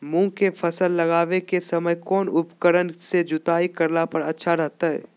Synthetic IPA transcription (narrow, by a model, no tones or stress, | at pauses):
mũːkepʰɐsəlːɐɡaːʋekesɐməjkɔːnʊpkəɾənsed͡ʒʊt̪aːikɐɾlapɐɾɐtːʃʰaɾɛɦt̪aɦɛ̰ː